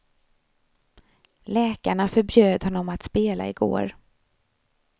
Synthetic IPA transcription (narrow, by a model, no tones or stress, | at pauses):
lɛːkaɳafœɾbjøːd̪hɔnːɔmat̪speːla̰ɪɡo̰ːɾ